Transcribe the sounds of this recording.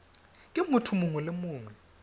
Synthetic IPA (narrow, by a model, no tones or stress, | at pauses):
kʼimutʰumuŋulemuːŋwɛ